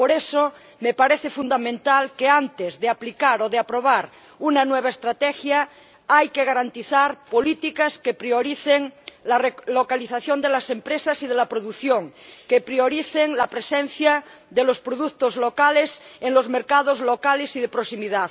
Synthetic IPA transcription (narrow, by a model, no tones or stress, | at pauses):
poɾeso | mepaɾeθefund̪amẽnt̪alkeant̪ezðeaplikaɾoðeapɾoβ̞aɾ | unanweβ̞aest̪ɾat̪ɛxja | ajkeɣ̞aɾant̪iθaɾpolit̪ikaskepɾioɾiθeŋlarelokaliθaθjond̪elasempɾesasið̞elapɾoðuθjoŋkepɾioɾiθeŋlapɾesen̟θja | ðelospɾoðuk̚t̪ozlokaleseŋlozmeɾkað̞ozlokalesið̞epɾosimiðað